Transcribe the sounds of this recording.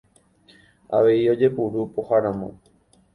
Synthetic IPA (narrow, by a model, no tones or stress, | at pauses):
a̰ʋe̞io̞d͡ʒe̞puɾupohaɾãmõ̰